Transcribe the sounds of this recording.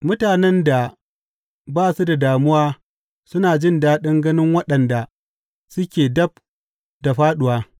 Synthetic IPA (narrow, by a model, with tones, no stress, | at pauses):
mʊ˦taː˨nɛ˦nda˨ | baː˦˨su˦da˨daː˨mʊ˦waː˦ | sʊ˦naː˨d͡ʒɪ˦ndaː˦ɗɪ˦ŋɡɐ˦nɪ˦ŋwɐ˦ɗɐ˨nda˨ | sʊ˦kʲeː˨dɐ˦b̚ | da˨ɸaː˦ɗʊ˨waː˦